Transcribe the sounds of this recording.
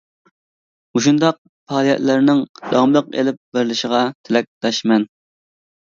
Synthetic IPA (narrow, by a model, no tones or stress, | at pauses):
uʃund̪ɑq̚ | pʰɑːlˠijɛ̰t̪lɪɾnɪŋd̪̥ɑmlˠəqḛlɪp̚bɪɾlɪʃɪʁɑt̪ʰɪlɛk̚ʲd̪̥ɑʃmɛn